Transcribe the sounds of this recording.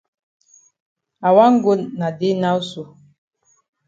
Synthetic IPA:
a˨wa˦ŋ̩˦ɡo˦nna˨de˦na˦u˦su˨

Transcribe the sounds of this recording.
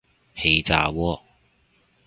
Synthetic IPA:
he˧jt͡sa̰ː˨˧wɔː˧˥

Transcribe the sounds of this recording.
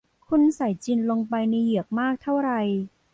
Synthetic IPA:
kʰu˧nsa˨˩˦jt͡ɕi˧nlo˧ŋpa˧jni˧ji˨˩˦ək̚maː˥˩k̚t̪ʰa˥˩wɾa˧j

